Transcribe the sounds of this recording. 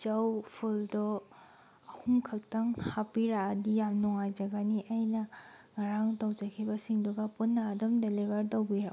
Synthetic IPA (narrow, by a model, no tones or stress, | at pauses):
d͡ʒawpʰuldɔː | huŋkʰak̚taŋhapiɾaadijamnɔŋajzaɡaniʔajnaŋaɾaŋtɔwzakʰibasiŋduɡapunːaːdɔmdelibaɾdɔwbiɾa